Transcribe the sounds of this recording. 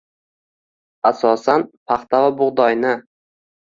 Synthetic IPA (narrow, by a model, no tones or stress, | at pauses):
asɒsanpʰɑχt̪avabʊʁd̪ɒjnɪ